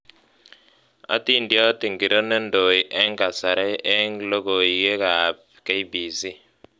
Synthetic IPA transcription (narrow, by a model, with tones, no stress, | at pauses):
a̰˦ti˦ndjɔ˦ti˨ŋɡi˨ɾo˦ne˦ndo˨i˨ʔɛ˦ŋka˨sa˨ɾɛ˦ɛ˦ŋlo˦ɡo˨i˨ɡe˦ka˨p̚ | kɛ˦i˦bi˨si˦